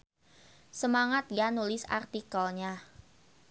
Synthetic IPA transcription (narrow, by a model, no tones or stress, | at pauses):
səmaŋat̪̚ɡanulɪsa̰rt̪ikəlɲa